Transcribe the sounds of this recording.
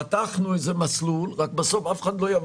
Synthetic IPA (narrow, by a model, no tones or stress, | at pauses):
at̪aχnuetzemaslulʁak̚besofafe̥χad̪lojav